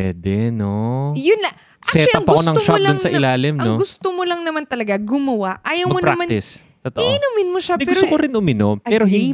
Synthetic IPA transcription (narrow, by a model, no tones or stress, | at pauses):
ɛ̰d̪ɛnojʊnlɐ | ʔsaɛt̪ɐŋpɐkonɐŋoʃɐld̪ʊnsɐʔɪlaːlɪmnɐŋoɡʊst̪omolɐŋnɐmant̪ɐlɐɡaɡʊmɐwaʔʔaːjɐwɐɡmonpɾakmanɪs | t̪ot̪ɐʔiʔnʊmɪnmoʃaɛɡpɛʊsɾt̪okoɾɪnʔʊmɪnopɛːɾoɦɪ